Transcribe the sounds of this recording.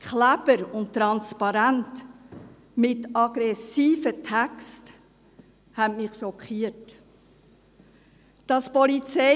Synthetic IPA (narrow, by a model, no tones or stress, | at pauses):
klæbəɾʊntːɾɑnspɑɾænt | mɪtɑɡ̥ɾɛsiːfətʰɛkst | hɛmɪχʃɔkχiːət | d̥ɑspɔlit͡sɛ